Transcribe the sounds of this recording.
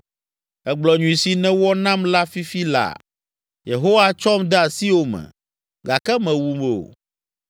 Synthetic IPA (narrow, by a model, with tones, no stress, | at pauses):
ɛ˦ɡ͡blɔ˨ɲũ˨ĩ˨si˨nɛ̃˦wɔ˦nã˦mla˦fi˦fi˦la̰˨ | je˨ɦo˦wa˦t͡ʃɔ˦md̪ɛ˦a˨si˦wo˦mɛ̰̃˨ | ɡa˨kɛ˦mɛ̃˨wu˨me˨o̰˨